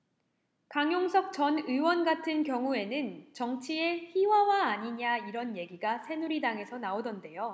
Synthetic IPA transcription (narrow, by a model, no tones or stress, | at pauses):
kaŋjoŋsʰʌk̚t͡ɕʌnɯwʌnɡatʰɯnkjʌŋue̞nɯnt͡ɕʌŋt͡ɕʰie̞çiwawaːɲiɲaiɾʌnje̞ɡiɡasʰe̞nuɾidaŋe̞sʰʌnaodʌnde̞jo